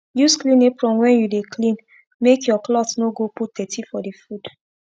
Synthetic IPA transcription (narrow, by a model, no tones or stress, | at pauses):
jusklĩnepɹɔ̃mwɛ̃njudekʰlĩn | mekjɔklɔtnoɡoput̚d̥ɛtʰifɔdefud̥